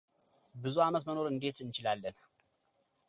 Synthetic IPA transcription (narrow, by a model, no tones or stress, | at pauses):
bɨzuamət̪məno̞ɾɨnd̪e̞t̪ɨnt͡ʃɪlalːən